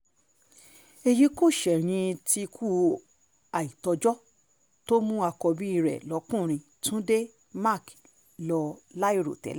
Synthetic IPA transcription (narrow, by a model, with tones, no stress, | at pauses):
e˧ji˨˦ko˦˨ʃɛ˨ɾ̃ĩ˧ti˧kʰu˦˨ | a˨i˨tɔ˧d͡ʒɔ˦ | to˦mũ˦a˧kɔ˧bi˦i˧ɾɛ̰˨lɔ˨˦kũ˦˨ɾ̃ĩ˧ | tũ˦de˦ | ma˦˨k | lɔ˧la˦i˦ɾo̰˨tɛ̰˨˦la˦